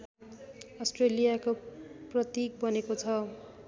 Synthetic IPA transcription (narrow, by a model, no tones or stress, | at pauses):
ʌsʈrelijakoprʌt̪ik̚bʌnekot͡sʰʌ